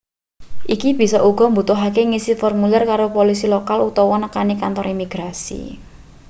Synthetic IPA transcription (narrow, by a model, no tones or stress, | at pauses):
ʔikib̥i̤sɔʔuɡ̥ɔ̤mbut̪ʊɦak̬eŋisifɔrmulɛrkaɾopolisilokalut̪ɔwɔnəkanikant̪ɔɾimiɡ̥ɾasḭ